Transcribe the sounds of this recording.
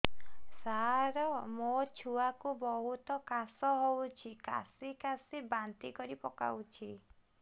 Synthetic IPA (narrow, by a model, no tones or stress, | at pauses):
saɾɔmot͡ʃʰuakubɔɦut̪ɔkasɔɦowt͡ʃʰika̰sikasibant̪ikɔɾipɔka̰wt͡ʃʰi